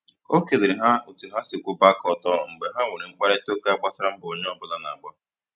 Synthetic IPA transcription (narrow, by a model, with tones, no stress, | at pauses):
o˦ke˨de˨ɾɪ˨ɦa˦u˨tu˨ɦa˦sɪ˨kʷu˦ba˦kɔ˨tɔ˦˨ŋ̩˨ɡ͡be˨ɦa˦ŋʷe˨ɾi˨ŋ͡m̩˦k͡pa˦ɾe˦to˦ke˦a˦ɡ͡ba˦sa˦ɾa˦m̩˦bʊ˨o˦ɲe˦ɔ˦bʊ˦˨la˦na˨ɡ͡ba˦